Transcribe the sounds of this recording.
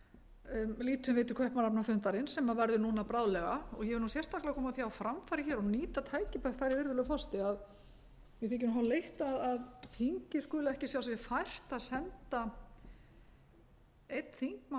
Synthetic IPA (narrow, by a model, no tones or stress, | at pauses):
liːt̪ʏmvɪːt̪ɪ̥kʰvœhpmanapnafʏnt̪aɾɪnsɛmaðvɛɾðʏnuːnapɾaðlɛɣaɔɣjɛɛɾnusjɛr̥t̪aklɪakʰɔːmaθjawfɾamfaɾɪçɛːɾɔniːt̪at̪ʰaːjcɪpœk̪θajɾɪvɪɾðʏlʏfɔst̪ɪað | vɪθɪɲc̬ʏɾnmɦalejht̪aðaðθʰiŋcɪskʏːlaɛhcɪsjawsɛmɪfajr̥t̪aðsɛnt̪a | ejt̪θiŋkma